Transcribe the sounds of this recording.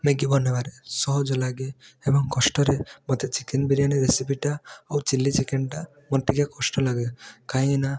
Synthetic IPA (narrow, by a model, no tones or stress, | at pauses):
meɡibɔnːebaɾesɔɦɔd͡ʒɔlaɡeebɔŋkɔsʈɔɾemɔt̪ʰet͡ʃikenbiɾaniɾesipiʈaawt͡ʃilːit͡ʃikenʈa | mɔnt̪iɡjakɔsʈɔlaɡekaj̃ena